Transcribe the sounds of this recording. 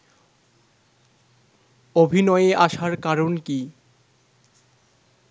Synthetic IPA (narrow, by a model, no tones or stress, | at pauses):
obʱinɔeeʔaʃaɾkaɾonki